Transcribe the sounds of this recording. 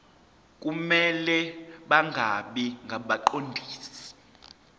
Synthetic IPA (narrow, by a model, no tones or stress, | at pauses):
k̬ʼumɛlɛɓaŋʱaɓiŋɡʱaɓaǃondʱiːssi̥